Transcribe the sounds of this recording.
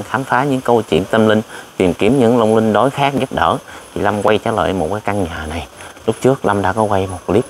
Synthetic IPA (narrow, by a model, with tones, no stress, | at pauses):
ŋxaː˨˦mfaː˨˦ɲɨ̰˧˥ŋkə˧wt͡ɕwḭ˧˨ənt̪ə˧mlï˧ŋ̟t̪i˨˩mki˨˧˩əmɲɨ̰˧˥ŋlə˧wŋ͡mlï˧ŋ̟ɗo˨˦jxaː˦˥k̚ɲə˦˥t̚ɗə̰ː˧˩t̪ʰi˨˩la˧mkwa˧jt͡ɕaː˧˦lə̰ː˧˨jmo˨˩t̚kaː˨˦jka˧ŋɲəː˨˩na˨˩jlʊ˦˥k͡p̚t͡ɕɨ˦˥ək̚la˧mɗa̰ː˧˥kɔ˨˦kwa˧jmo˨˩t̚li˦˥p̚